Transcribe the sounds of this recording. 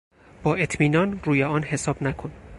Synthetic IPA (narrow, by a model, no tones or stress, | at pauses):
b̥ɒːe̞t̪ʰmiːnɒːnruːjeɒːnhe̞sɒːb̥nækʰon